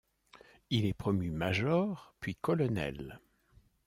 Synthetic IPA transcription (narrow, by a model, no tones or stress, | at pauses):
ilɛpχɔmymaʒɔʁpɥikɔlɔnɛ̰l